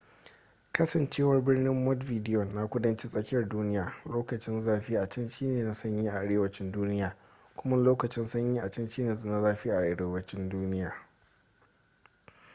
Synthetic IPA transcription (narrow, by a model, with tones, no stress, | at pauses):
kɐ˦sɐ˨nt͡ʃeː˦wɐ˦rbɪ˦rnɪ˦mːɔ˦dviː˨dɪ˦jɔ˨nːa˦kʷʊ˦dɐ˦nt͡ʃɪ˦sʼɐ˦kʲɪ˦jɐ˨rduː˦nɪ˦jaː˨loː˦kɐ˨t͡ʃɪ˦nzaː˦ɸiː˦ʔa˨t͡ʃɐ˦nʃiː˦neː˨na˨sɐ˦ɲjiː˦ʔa˨ʔa˨ɽeː˦wɐ˨t͡ʃɪ˦nduː˦nɪ˦jaː˨ | kʷʊ˦mɐ˦loː˦kɐ˨t͡ʃɪ˦nsɐ˦ɲjiː˦ʔa˨t͡ʃɐ˦nʃiː˦neː˨sʼnɐ˦zaː˦ɸɪ˦ʔa˨ʔa˨ɽeː˦wɐ˦t͡ʃɪ˦nduː˦nɪ˦jaː˨